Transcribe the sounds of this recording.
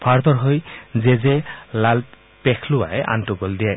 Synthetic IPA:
pʰaɹt̪ɔɹɦojzɛzɛlal | pɛkʰlʊwa̰ɛʔa̰ntʊɡɔldijaj

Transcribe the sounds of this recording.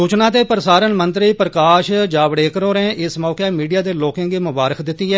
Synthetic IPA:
suːt͡ʃnãːt̪eːpəɾəsaːɾənmənt̪ɾiːpɾəkaːʃd͡ʒaːʋɽeːkəɾoːɾẽːʔɪsmɔːkeːmiːɖijaːd̪eːloːkẽːɡeːmʊbaːɾəkd̪ɪt̪ːiːɦɛː

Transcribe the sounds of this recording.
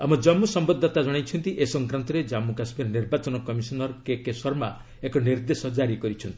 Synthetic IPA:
amɔd͡ʒɔmːusɔmbɔd̪ʱːɔt̪ad͡ʒɔɽ̃ajt͡ʃʰɔnt̪iʔesɔŋkɾant̪ɔɾed͡ʒamukasmiɾniɾbat͡ʃɔnɔkɔmisɔnɔɾɔkekesɔɾma | ekɔniɾd̪esɔd͡ʒaɾikɔɾit͡ʃʰɔnt̪i

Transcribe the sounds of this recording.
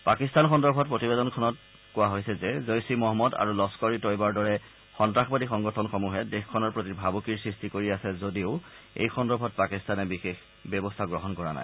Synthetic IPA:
pakistanxɔndɔɹbʱɔt̚pɹotibedɔnkʰɔnɔt | kʊwaɦojsɛzɛzojsimɔɦɔmɔda̰ɹulɔskɔɹitɔjbaɹdɔɹɛ | xɔntɹaxbadixɔŋɡɔtʰɔnxɔmuɦɛdexkʰːɔnɔɹpɹotibʱabukiɹsɹistikoɹiasɛzodiʊ | ḛjxɔndɔɹbʱɔt̚pakistanɛbixex | bɔbɔstʰaɡɹɔɦɔnkɔɹa̰na̰j

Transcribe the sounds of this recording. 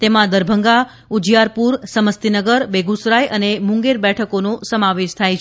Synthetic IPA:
t̪emãd̪əɾbʱəŋɡa | ud͡ʒjaɾpuɾsəməst̪inəɡəɾbeɡusɾajʔənemũŋɡeɾbɛʈʰəkonosəmaʋeʃt̪ʰajt͡ʃʰ

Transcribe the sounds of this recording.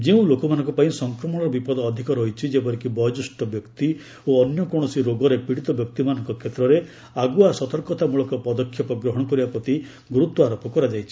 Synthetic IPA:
d͡ʒeũlokɔmanɔ̃ŋkɔpaĩsɔŋkɾɔmɔɽ̃ɔɾɔbipɔd̪ɔːd̪ʱikɔɾɔɦit͡ʃʰid͡ʒebɔɾekibɔd͡ʒusʈɔbjɔkt̪i | oɔnjɔkɔɽ̃ɔsiɾoɡɔɾepiɽit̪ɔbjɔk̚t̪imanɔŋkɔkʰet̪ɾɔɾe | aɡuasɔt̪ɔɾkɔt̪ʰamuɭɔkɔpɔd̪ɔkʰːjɔpɔɡɾɔɦɔɽ̃ɔkɔɾibapɾɔt̪i | ɡɾut̪ːɔaɾɔpɔkɔɾad͡ʒajt͡ʃʰi̥

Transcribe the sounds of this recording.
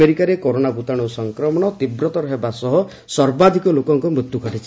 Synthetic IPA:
eɾikaɾekoɾonabut̪aɽ̃usɔŋkɾɔmɔɽ̃ɔt̪ibɾɔt̪ɔɾɔɦebasɔɦɔ | sɔɾbad̪ʱikɔlokɔŋkɔmɾut̪jukɔʈit͡ʃʰi̥

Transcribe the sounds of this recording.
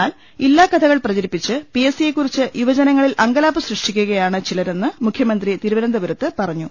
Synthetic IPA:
aːl | ilːaːkɐt̪ʰɐɣɐɭprɐt͡ɕɐɾipːit͡ɕːɨpiesije̞kːurit͡ɕːɨjuʋɐd͡ʑɐnɐŋːɐɭilʔɐŋɡɐlaːpɨsrɨʂʈikʲːuɣɐjaːɳɨt͡ɕilɐɾe̞nːɨmukʰjɐmɐnd̪rit̪iɾuʋɐɾɐnd̪ɐʋɐɾɐt̪ːɨpɐrɐɲːu

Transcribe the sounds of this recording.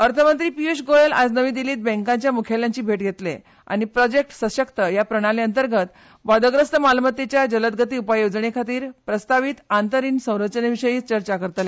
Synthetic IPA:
əɾt̪ʰəmənt̪ɾiːpiesɡoelad͡znəʋiːd̪iliːt̪̚bɛ̃ŋkãɲt͡ɕjamukʰjaljãɲt͡ɕiːbʱeʈɡʱet̪lḛ | a̰ɽ̃ipɾɔd͡ʑek̚ʈsəɕəkt̪əjapɾəɽ̃aleənt̪əɾɡət̪ | ʋad̪əɡɾəst̪əmalmət̪et͡ɕjad͡ʑələt̪̚ɡʱət̪iːupajod͡zɳekʰat̪iːɾpɾəst̪aʋiːt̪ant̪əɾiːnsə̃w̃ɾət͡ɕnəʋiɕəjiːt͡st͡ɕəɾt͡ɕakəɾt̪le

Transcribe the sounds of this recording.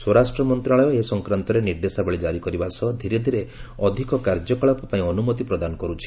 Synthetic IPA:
swɔɾasʈɾɔmɔnt̪ɾaɭɔjɔesɔŋkɾant̪ɔɾeniɾd̪esabeɭid͡ʒaɾikɔɾibasɔd̪ʱiɾed̪ʱiɾeɔd̪ʱikɔkaɾd͡ʒɔkɔɭɔpɔpaĩɔnumɔt̪ipɾɔd̪anɔkɔɾut͡ʃʰi̥

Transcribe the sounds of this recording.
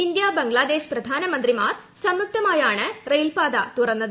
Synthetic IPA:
ind̪jaːbɐŋɡɭaːd̪e̞ːɕpɾɐd̪ʱaːnɐmɐnd̪rimaːr | sɐmːuk̚t̪ɐmaːjaːɳɨrejlpaːd̪a̰ːt̪urɐnːɐðɨ

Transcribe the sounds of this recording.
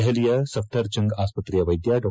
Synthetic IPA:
ɦelijɐsɐp̚ʰʈʰɐɾt͡ʃɐ̃ŋɡaːspət̪ɾijɐʋɐjd̪jaɖ

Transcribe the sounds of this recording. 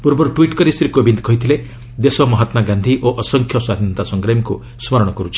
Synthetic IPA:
puɾbɔɾuʈwiʈkɔɾisɾikobind̪ɡɔɦjt̪ʰile | d̪esɔmɔɦat̪maɡand̪ʱiʔoʔɔsɔŋkʰjɔswad̪ʱint̪asɔŋkɾamiku | smɔɾɔɽ̃ɔkɔɾut͡ʃʰi̥

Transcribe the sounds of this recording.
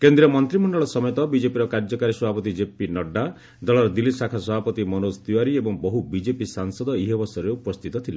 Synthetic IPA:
kend̪ɾiɔmɔnt̪ɾimɔɳɖɔɭɔsɔmjɔt̪ɔbid͡ʒepiɾɔkaɾd͡ʒɔkaɾisɔbʱapɔt̪id͡ʒepinɔɖːa | d̪ɔɭɔɾɔd̪ilipsakʰasɔbʱapɔt̪imɔnost̪iwaɾiebɔŋbɔɦubid͡ʒepisaŋsɔd̪ɔiɦebɔsɔɾeupɔst̪ʰit̪ɔt̪ʰila

